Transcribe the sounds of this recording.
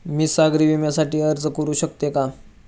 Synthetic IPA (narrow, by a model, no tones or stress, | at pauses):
miːsaɡɾiʋimjasaʈiːəɾd͡zkəɾuːɕək̚t̪eka